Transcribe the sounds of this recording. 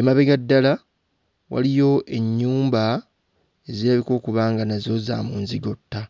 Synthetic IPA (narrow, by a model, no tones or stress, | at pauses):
emaβe̞ɡadːala | wa̰lijo̞ʔe̞ɲːuːmba | e̞ziɾaβiko̞ːkuβaːŋɡanazo̞za̰muːnziɡo̞tːa